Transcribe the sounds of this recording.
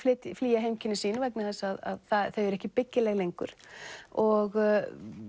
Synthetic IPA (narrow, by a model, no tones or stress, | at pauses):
flɪːt̪fliːjaɦejmcʰɪnːʏsiːnavɛk̚nɪθɛsːaːða̰ðθaθœɥɛɾɛhcɪpɪcːɪlɛɣlejŋkʏ̰ɾ̥ɔɣ